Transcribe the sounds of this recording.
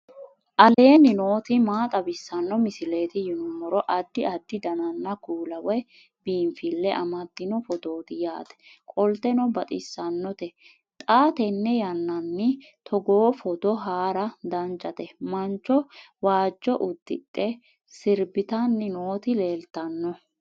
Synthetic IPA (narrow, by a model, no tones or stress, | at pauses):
ʔɐle̞ːnːɪno̞ːt̪ɪmaːt̪ʼɐbɪsːɐnːɔmɪsɪle̞ːt̪ɪjɪnʊmɔɾɔʔɐd̪ːɪɐd̪ːɪd̪ɐnɐnːɐkuːlɐwɛ | biːnfɪlːɛʔɐ̰mɐd̪ːɪnɔfɔd̪o̞ːt̪ɪjaːt̪ɛ̥kʼɔlt̪ɛnɔbɐt̪ʼɪsːɐnːɔt̪ɛ | t̪ʼaːt̪ɛnːɛjɐnːɐnːɪ | t̪ʰɔɡoːfɔd̪ɔɦaːɾɐd̪ɐnt͡ʃʼɐt̪ɛmɐnt͡ʃːɔ | waːd͡ʒːɔʔʊd̪̥ːɪ̰t̪ʼːɛ | sɪɾbɪt̪ɐnːɪno̞ːt̪ɪle̞ːlt̪ɐnːɔ